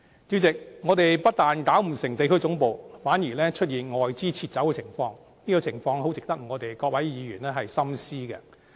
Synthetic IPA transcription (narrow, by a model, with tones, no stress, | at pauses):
t͡syː˨˥t͡sɪ˨k̚ŋɔː˨˧t̪e˨jpɐ˥t̚t̪aː˨nk̪aː˨˥wm̩˨˩sɪ˨˩ŋt̪e˨jkʰɵ˥ɥt͡sʊ˨˥ŋpo˨˧wfaː˨˥njiː˨˩lɛː˥t͡ʃʰɵ˥t̚jiː˨nŋɔː˨jt͡siː˥t͡sʰiː˧t̚t͡sːsɐ˨˥wkɛ˧t͡sʰɪ˨˩ŋfɔː˧ŋ | niː˥kɔː˧t͡sʰɪ˨˩ŋfɔː˧ŋɦo˨˥wt͡sɪ˨k̚t̪ɐ˥k̚ŋɔː˨˧t̪e˨jkɔː˧k̚wɐ˨˥jjiː˨˧ɥyː˨˩nlɛː˥ɦɐ˨jsɐ˥msiː˥ɡɛ̰˧